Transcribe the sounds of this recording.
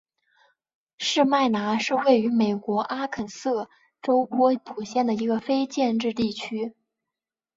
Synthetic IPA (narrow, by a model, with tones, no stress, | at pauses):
ʂɻ̩˥˧ma˥˩ɪna˧˥ʂɻ̩˥˧we˥˩ɪy˧˥me˨˩ɪkwɔ˧˥ʔa˥kʰə˨˩nsɤ˥˩ | ʈ͡ʂo˥ʊpwɔ˥pʰu˨˩ɕjɛ˥˩nd̪ə˩i˧˥ɡə˧fe˥ɪt͡ɕjɛ˥˧nʈ͡ʂɻ̩˥˧t̪i˥˩t͡ɕʰy˥